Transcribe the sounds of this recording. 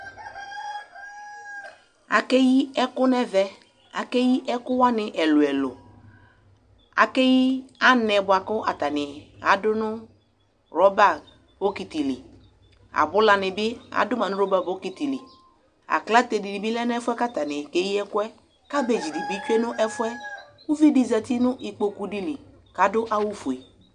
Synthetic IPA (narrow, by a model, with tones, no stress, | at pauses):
a̰˨ke˦ji˦ɛ˦kʊ˦nɛ˦vɛ˦ | a˨ke˦ji˦ʔɛ˦kʊ˦wa˦nɪ˨ʔɛ˨lʊ˨ɛ˨lʊ˨ | a̰˨ke˦ji˦a˦nɛ˨bʊ˨a˨kʊ˦ʔa˨t̪a˨nɪ˨a˨dʊ˦nʊ˦ | ɾɔ˦ba˦˨ | b̥o˦ki˨ti˨li˨ | a̰˨bʊ˦la˨nɪ˨bɪ˦a̰˨dʊ˦ma˨nʊ̃˦ɾo˦ba˦bo˦ki˨t̪i˨li˨ | a̰˨kla˦t̪e˨di˨di˨bi˦lɛ˦nʊ˦ɛ˦fʊ˦ɛ˦ka˦t̪a˨nɪ˨ke˦ji˦ɛ˦kʊ˦ɛ˦ | ka˦be˨d͡ʒi˨di˨bi˦t͡ʃe˦nʊ̃˦ʔɛ˦fʊ˦ɛ˦ku˦vi˦di˨za˨t̪i˦nʊ˦ʔi˨k͡po˨ku˨di˨li˨ | ka˨dʊ˦ʔa˦wu˦fu˨e˨